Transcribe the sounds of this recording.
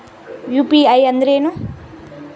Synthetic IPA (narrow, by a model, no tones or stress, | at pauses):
jupiajʌnd̪ɾenu